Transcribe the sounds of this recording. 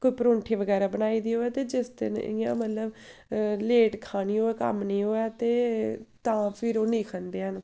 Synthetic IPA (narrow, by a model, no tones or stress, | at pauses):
koiːpəɾõːɳʈʰeːʋəɡɛːɾaːbənaːiːd̪iːɦoːɛːt̪eːd͡ʒɪsd̪ɪ̰nɪ̰ã̰ːmət̪ləb | leːʈkʰaːniːɦoːɛːkə̰mnĩːɦoːɛːt̪eːt̪ãːpʰɪɾoːnĩːkʰənd̪eːɦən